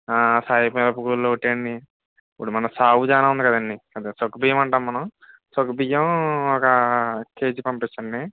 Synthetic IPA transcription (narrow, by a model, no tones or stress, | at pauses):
aːsaːjipːɐlɐpuɡulːoːuʈːeɳɖi | puɽumɐnɐsaːwud͡ʒaːnaːund̪ikɐd̪ɐnːikɐd̪asokːbijːɐmɐɳʈaːmːɐnɐm | sokːɐbijːɐmɔkɐkeːd͡ʒipɐmpit͡ʃːɐnːi